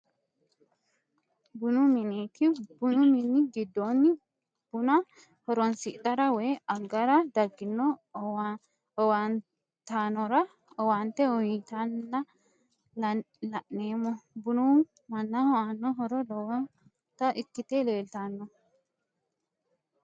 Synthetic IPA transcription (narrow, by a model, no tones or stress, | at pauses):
bʊnumɪneːt̪ʰɪbʊnʊmɪnːɪɡɪd̪ːoːnːɪ | b̥ʊnɐ | hɔɾɔnsɪʔt̪ːɐɾɐwɛjɐɡːɐɾɐd̪ɐɡːɪnːɔ | ɔwɐn | t̪anɔɾɐ | ɔwant̪ɛɔjit̪ɐnːɐ | l | lɐʔnːe̞ːmːɔbʊnu | mɐnːɐhɔanːɔɦɔɾɔdɔwɔn | t̪ɐʔɪkːɪt̪eːleːlt̪anːɔ